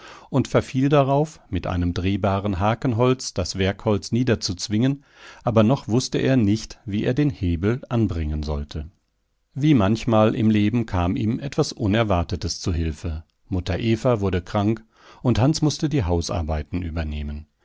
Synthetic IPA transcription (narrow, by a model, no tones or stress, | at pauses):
ʔʊntfɛɐfiːldaʁaʊfmɪtʔa̰ɪnəmdʁeːbaːʁənɦaːkən̩ɦɔlt͡sd̥asv̥ɛɐkhɔlt͡sniːdɐt͡sut͡sv̥ɪŋən | ʔaːbɐnɔχvʊstəʔḛːɐnɪçtviːʔeːɐdeːnheːbl̩ʔanbʁɪŋənzɔltʰə | viːmançmaːlʔɪ̰mleːbm̩kʰaːmiːmʔɛtv̥asʔʊnɛɐvaɐtətəst͡suɦɪlfə | mʊtʰɐʔeːfɐvʊɐdəkʁ̥aŋk | ʊnthansmʊstədiːɦaʊsa̰ɐbaɪtn̩ʔyːbɐneːmən